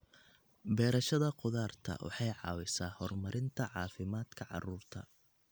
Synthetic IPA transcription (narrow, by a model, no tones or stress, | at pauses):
bɛːɾɐʃɐðɐqʊðaːrt̪ʰɐ̰wʔɑ̰ħɑjʕɑ̰ːwɪsaːhɔrmɐɾɪnt̪ʰɐʕɑːfɪmaːd̪kʰɐʕɑ̰ruːrt̪ʰɐ̰